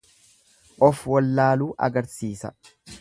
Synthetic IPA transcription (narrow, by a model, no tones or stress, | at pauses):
ʔɔfwɔlːaːluːʔɐ̰ɡɐɾsiːsɐ̰